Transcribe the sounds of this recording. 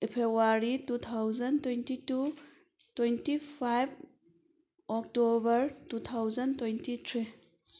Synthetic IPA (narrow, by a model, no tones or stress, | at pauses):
pʰebwaɾitut̪ʰawzɐntwentitu | twentipʰajb | ɔk̚tobɐɾtut̪ʰawzɐntwejntit̪ʰɾi